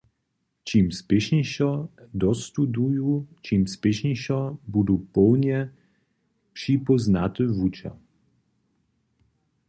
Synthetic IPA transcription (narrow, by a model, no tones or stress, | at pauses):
t͡ɕimspʲɪɕɲiɕɔd̪ɔst̪ud̪ujut͡ɕimspʲɪɕɲiɕɔbud̪upɔwɲɛ | pʂipɔznat̪ɨvut͡ɕa̰